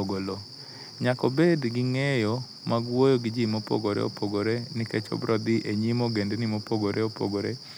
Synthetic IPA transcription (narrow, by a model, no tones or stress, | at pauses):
oɡolo | ɲakɔbedɡɪŋɛjɔ | maɡwojoɡɪd͡ʒimopo̰ɡoɾḛo̰poɡoɾenɪket͡ʃo̰bɾʔɔd̪ɪʔeɲimoɡendenɪmopoɡoɾʔeopo̰ɡoɾe